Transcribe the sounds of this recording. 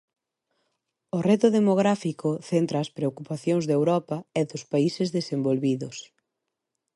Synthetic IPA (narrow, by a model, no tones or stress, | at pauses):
ʊret̪ʊðemoɣ̞ɾafikoθent̪ɾɐːspɾeokupaθjoŋzðewɾɔpɐɛðʊspaisɪzðesembolβiðʊs